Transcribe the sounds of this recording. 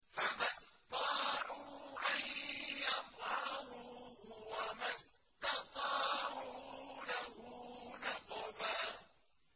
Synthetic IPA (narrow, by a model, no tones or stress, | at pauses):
famast̪ˤɑːʕuːʔajjɑfˤɑhʊwamas | t̪ɑt̪ˤɑːʕuːlahʊnɑqːʊmaː